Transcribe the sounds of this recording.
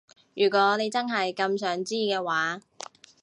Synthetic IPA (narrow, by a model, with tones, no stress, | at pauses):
jyː˨˩kʷɔː˨˥ne˨˧jt͡sɐ˥nɦɐ˨jkɐ˧msœː˨˥ŋt͡siː˥kɛː˧waː˨˥